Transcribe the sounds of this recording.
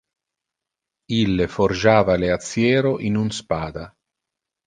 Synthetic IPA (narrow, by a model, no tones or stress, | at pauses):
ilːeford͡ʒaːvaleat̪sːjɛːɾoʔinunspaːd̪a